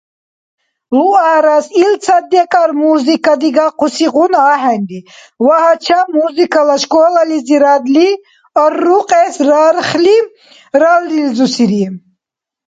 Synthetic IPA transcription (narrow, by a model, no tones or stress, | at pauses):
luaɾasilt͡sʰad̪ɛkʼaɾmuzikʼad̪iɡaqʰusiʁunaːɦɛnd̪i | waɦat͡ʃʰamuzikʰalaʃkʼɔlaliziɾad̪li | ɔrːuqʼɛsɾaɾχli | ɾalɾilzusiɾi